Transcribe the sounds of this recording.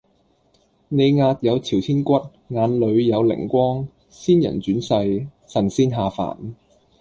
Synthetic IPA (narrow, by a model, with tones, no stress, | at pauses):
ne˨˧jŋaː˧t̚jɐ˨˧wt͡sʰiː˨˩wt̪ʰiː˥nkʷɐ˥t̚ | ŋaː˨˧nlɵ˨˧ɥjɐ˨˧wlɪ̰˨˩ŋkʷɔː˥ŋ | siː˥njɐ̰˨˩nt͡ʃyː˨˥nsɐ˧j | sɐ˨˩nsiː˥nɦaː˨fa̰ː˨˩n